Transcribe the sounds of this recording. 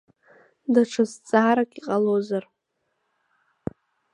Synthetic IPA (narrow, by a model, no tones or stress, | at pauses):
daʈ͡ʂʰazt͡sʼaːɾakʲʼiqʼalozar